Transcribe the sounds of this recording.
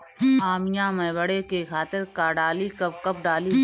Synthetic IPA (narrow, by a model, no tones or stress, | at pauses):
aːmɪjãːmɐ̃ɪbəɽekekʰaːt̪ɪɾkaːɖaːlikɐp̚kɐp̚ɖaːli